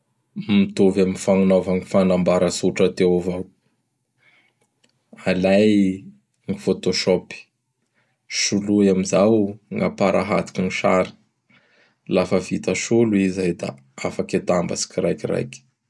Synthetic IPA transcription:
mit̪ovaminfaŋunavaŋifanambaɾəsuʈ͡ʂət̪eovaw | alaj | ŋifot̪oʃɔpi̥ | ʃulujamizawŋa̰paɾʔa̰ɦa̰t̪i̥kiŋiʃaɾi̥ | lafəvit̪aʃuluizajd̪a̰ | afaket̪amba̰si̥kiɾajkiɾa̰jki̥

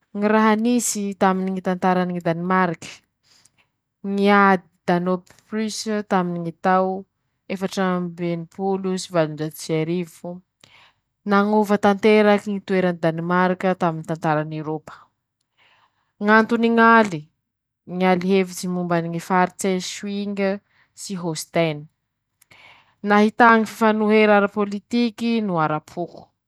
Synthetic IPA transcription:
ŋiɾaɦanisit̪aminiŋit̪ant̪aɾaniŋid̪animaɾikə̥ | ŋiad̪d̪̥anop | pɾyst̪aminiŋit̪aw | efaʈ͡ʂəmbenipulusivalund͡ʒat̪i̥saɾivu | naŋovət̪ant̪eɾakiŋit̪ueɾanid̪animaɾikət̪aminit̪ant̪aɾanewɾopə̥ | ŋant̪uniŋali | ŋaliɦevid͡ʒimumbaniŋifaɾit͡seʃwiŋə | siɦost̪ani̥ | naɦit̪aŋififanuɦeɾaɾapolit̪ikinuaɾapʰuku̥

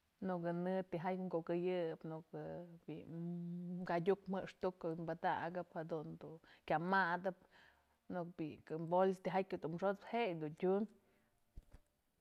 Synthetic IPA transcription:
nukɨnɨt̪iɦajŋɡoʔkɨjɨpnukɨbḭ | kadʲukm̥ɨʔʂt̪ukimbad̪aɡɨphad̪und̪ukʲamad̪ɨp̚ | nuk̚bikɨbolst̪iɦajʲud̪umʂot̪hejd̪untʲun

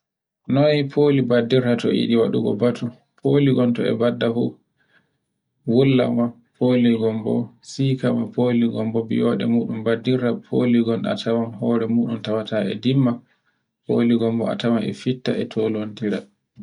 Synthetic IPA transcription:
nɔipʰoːlibadːiɾatɔ̰ḭɗiwaɗṵɡɔ̰batʰu | pʰoliɡɔntɔɛ̰badːafu | wulːa̰mwa | pʰoliɡɔmbɔ̰ | sikamapʰoːliɡɔmbɔbḭjɔɗɛ̰muːɗumbadːiɾapʰoliɡɔna̰tʰawanhɔːɾɛmuːɗumtawataɛ̰dimːa | poliɡɔmbɔa̰tawanɛ̰fitːa̰ɛtʰolontiɾa̰

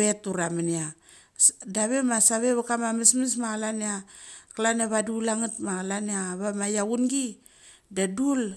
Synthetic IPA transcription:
etuɾaminia | daβemasaβeβakamamismis̬maɣalaniakalanaβadulaŋitmaɣalaniaβamajaunɡi | dadul

